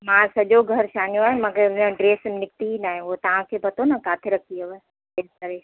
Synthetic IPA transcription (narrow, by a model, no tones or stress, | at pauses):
mãːsɐʄoɡʱɐɾʃaːnjũaːɦemɐɡəɾɖɾeːsnɪk̚t̪iinaːɦẽot̪ɐʋ̤ãkʰepɐt̪ʰonɐkaːt̪ʰeɾɐkʰioʋe | et̪ɐɾe